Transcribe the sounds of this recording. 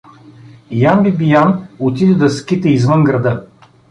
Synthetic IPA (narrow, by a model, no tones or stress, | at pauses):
jambibijanot̪̬id̪ɛd̪ɐskʲit̪əizvənɡɾɐd̪ɤ